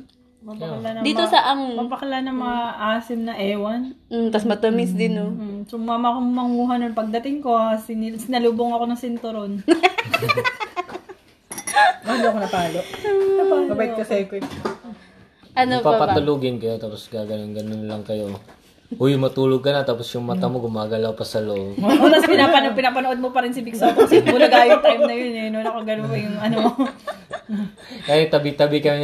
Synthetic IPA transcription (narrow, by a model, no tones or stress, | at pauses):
mɐpɐlanɐd̪iːosɐʔɐŋmɐpɐkɐlanɐŋmɐŋaʔaːsɪmnɐʔɛːwɐn̩t̪ɐsmɐt̪omɪsd̪ɪnom̩ːsʊŋmaːmɐʔkommɐŋuːɦɐnonpɐɡ̚d̪ɐt̪ɪŋko̞asɪnɪsɪnɐluːboŋɐko̞nɐŋsɪnt̪oɾon | maloʔɐkonɐpaːloʔkɐpaŋɡɐbaɪkːɐsɛkɛ | ʔɐnopapɐt̪ʊluɡɪnkɐjot̪aːposɡaːɡɐnonɡɐnonlɐŋkɐjo̞ | hujʊmɐt̪uːloɡ̚kɐnɐt̪aːposjʊŋmɐt̪amo̞ɡʊmaːɡɐlawpɐsɐloʔob̪pɪnapɐnpɪnaːpɐnoʔod̪̚mopɐɾɪnsɐbɪksɐpsɪʊnɐɡaːjʊp̪ɾɐjmnɐjonɛnonɐkoɡɐnoŋpɐjʊŋɐno | kajɛt̪ɐbɪt̪ɐbɪkɐ